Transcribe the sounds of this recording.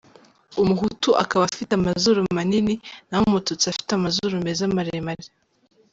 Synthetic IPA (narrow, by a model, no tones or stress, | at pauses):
umuɦutuʔa̰kaβafitamazoɾomanininahomotot͡siafi̥tamazoɾomezamaɾeemaɾe